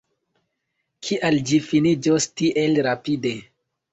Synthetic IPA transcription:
kʰiʔald͡ʒifinid͡ʒostiʔelɾapide

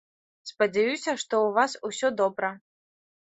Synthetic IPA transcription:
spɐd͡zʲajusʲɐʂt̪ɔwvasusʲɔd̪ɔbɾɐ

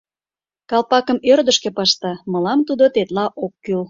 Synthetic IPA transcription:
kɑlpɑkəmørd̪əʃkĕpɑʃt̪ɑməlɑmt̪ud̪ot̪et̪lɑʔokːyl

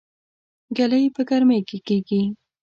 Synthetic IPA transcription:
ɡalajpəɡaɾmejkekeɡi

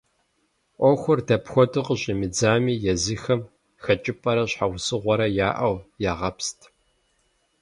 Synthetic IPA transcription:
ʔʷɔxʷʊrdɐpxʷɔtɨqəɕʼimɨd͡zaːmiːjɛzixɐm | xɐt͡ʃʼɪpʼɐɾɐɕħawsʼɨʁʷɔɾɐjaːʔɐwjaːʁɐpstʰ

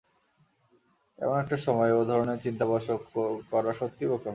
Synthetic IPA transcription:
ɛ̰monɛk̚ʈaʃɔmɔeod̪ʱɔɾoneɾt͡ɕint̪abaʃokkɔɾaʃot̪ːibokom

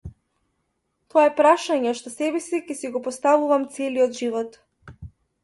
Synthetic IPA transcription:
t̪oaɛpɾaʃaɲɛʃt̪ɔsɛbɛsicɛsiɡɔpɔst̪avuvamt̪sɛliɔd̪ʒivɔt̪

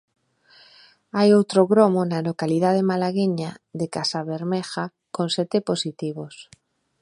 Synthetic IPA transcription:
ajowt̪ɾoɣɾomonalokaliðað̞emalaɣiɲaðekasaβeɾmexa | konsɛt̪eposit̪iβ̞os

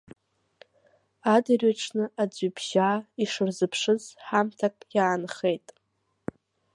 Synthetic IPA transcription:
adɨrɥaʈ͡ʂʰnɨad͡zʷɨbʒaiʂɨrzɨpʰʂɨzħamtʰakʼjaːnχejtʼ

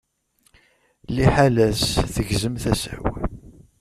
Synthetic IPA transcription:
liħalæsθəʝzəmθæsæ̰w

